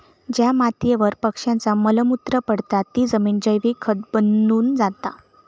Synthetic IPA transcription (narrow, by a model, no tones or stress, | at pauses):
d͡ʑjamat̪jeʋəɾpəkʂjãnt͡samələmut̪ɾəpəɽt̪at̪ːiːd͡zəmiːnd͡ʑəjʋikʰət̪̚bənuːnd͡zat̪a̰